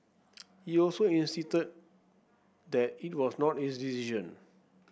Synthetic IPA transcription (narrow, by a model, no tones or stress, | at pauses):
hiɔlsoĩnsistəd̚ | d̪ɛt̚it̚wɔsnɔthisdisiʃə̃n